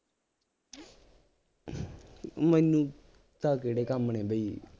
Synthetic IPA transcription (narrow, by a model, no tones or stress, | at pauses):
mənũː | t̪aːkeːɽeːkamneːbəiː